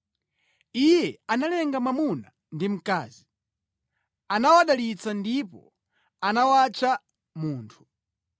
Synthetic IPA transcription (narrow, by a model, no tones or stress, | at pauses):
ijɛanalɛŋɡamamuna | ndim̩ka̰ːzi | anawaɗalit͡sandipɔ̰ | anawat͡ʃa | muːntʰu̥